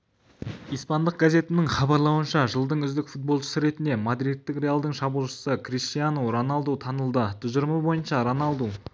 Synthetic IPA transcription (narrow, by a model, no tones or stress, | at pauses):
ijspɑnd̪əq̚ɡaze̞t̪ɪnɪŋχɑbɑɾlˠɑwənʃɑʒəlˠd̪əɴʏzd̪ɪkfut̪̚bo̞lˠʃə̥səɾe̞t̪ɪnd̪e̞mad̪ɾit̪ːɪkre̞alˠd̪əɴʃɑbulˠʃə̥səkrist̪ijanowɾɑnɑlˠd̪ut̪ʰɑnəlˠd̪ət̪ʰʊzɪɾməbo̞jənʃɑɾɑnɑlˠd̪u